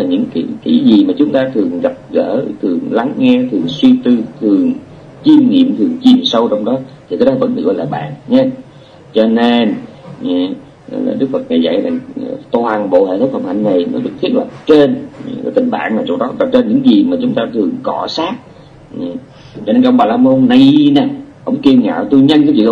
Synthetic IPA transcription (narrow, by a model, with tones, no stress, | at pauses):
laː˨˩ɲɨ̰˧˥ŋki˧˩˦ki˧˩˦zi˨˩maː˨˩t͡ɕʊ˨˦ŋ͡mt̪aː˧t̪ʰɨ˨˩əŋɣa˨˩p̚ɣə̰ː˧˥t̪ʰɨ˨˩əŋla˨˦ŋːɛ˧t̪ʰɨ˨˩əŋswi˧t̪ɨ˧t̪ʰɨ˨˩əŋ | t͡ɕi˧nŋḭ˧˨əmt̪ʰɨ˨˩əŋt͡ɕi˨˩msə˧wt͡ɕɔ˧wŋ͡mɗɔ˨˦t̪ʰi˨˩kaː˨˦jɗɔ˨˦və̰˧˥nɗɨ̰˨˧˦ka˧laː˨˩ɓa̰ː˧˨nɲɛ˧˦ | t͡ɕɔ˧ne˧n˨˧˨ | la̰ː˨˩ɗɨ˦˥k̚fə˨˩t̚na˨˩jza̰˧˨jza̰˨˩ŋt̪o˧ha˨˩nɓo̰˧˨hḛ˧˨˩t̪̚ʰfə˨˩mha̰˧˩jŋ̟na˨˩jnəː˨˦jɗɨ˨˩k̚t̪i˦˥ət̚lə˨˩p̚t͡ɕe˧n˨˩ə˧˨˩t̪ï˨˩ŋ̟ɓa̰ː˧˨nlaː˨˩t͡ɕo˧˩ɗɔ˨˦la˨˩p̚t͡ɕe˧nɲɨ̰˧˥ŋzi˨˩maː˨˩t͡ɕʊ˨˦ŋ͡mt̪aː˧t̪ʰɨ˨˩əŋkɔ˧˩˦saː˦˥k̚ | t͡ɕɔ˧ne˧nka̰ː˧wŋ͡mɓaː˨˩laː˧mo˧nna˨˩jna˨˩ʔə̰˧˥wŋ͡mki˧ŋa̰ː˧˨˩wt̪u˧jɲə˧nkaː˨˦t͡ɕḭ˧˨ʔ